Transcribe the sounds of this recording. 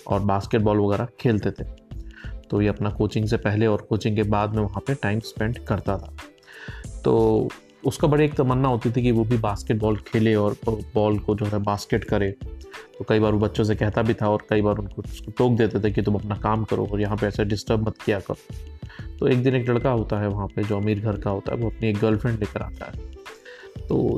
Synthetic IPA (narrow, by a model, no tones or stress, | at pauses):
ɔ̰ːɾbaːskeʈ̚bɔːlʋɐɣɛːɾakʰeːlt̪et̪ʰe̥ː | t̪ojeɐpnakoːt͡ʃɪ̃ŋɡsepɛɦleɔːɾkoːt͡ʃɪ̃ŋɡkebaːd̪mẽʋɐɦãpeʈaːɪmspɛ̃ɳɖkɐɾt̪at̪ʰḁː | t̪oː | ʊskabɐɽieːk̚t̪omɐnːaɦoːt̪it̪ʰikiʋobʱibaːskeʈ̚bɔːlkʰeːleɔːɾbɔːlkod͡ʒoːɦɛbaːskeʈkɐɾeːt̪okɐibaːɾʋobɐtːʃõs̬ekɛɦt̪abʱit̪ʰaɔːɾkɐibaːɾʊnkoʊskoʈoːk̚d̪eːt̪et̪ʰekit̪ʊmɐpnakaːmkɐɾo̰ɔːɾjɐɦãpeɛːsaɖɪsʈəɾbmɐt̪kijakɐɾoːt̪oeːk̚d̪ɪ̃neːklɐɽkaɦoːt̪aɦɛʋɐɦãped͡ʒoːɐmiːɾɡʱɐɾkaɦoːt̪a̰ɦɛ̰ʋoɐpnieːk̚ɡɐlfʰɾɛ̃ɳɖleːkəɾa̰ːt̪a̰ɦɛː | t̪o̰ː